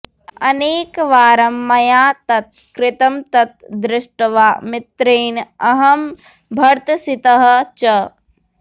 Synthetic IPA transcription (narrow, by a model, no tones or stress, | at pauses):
ɐneːkʋaːɾɐmːɐjaːt̪ɐt̪̚ | kɾɪt̪ɐmt̪ɐt̪̚d̪ɾɪʂʈɐʋaːmɪt̪ɾeːnɐɦɐm | bʱɐɾt̪sit̪ɐɦɐ̆t͡ʃɐ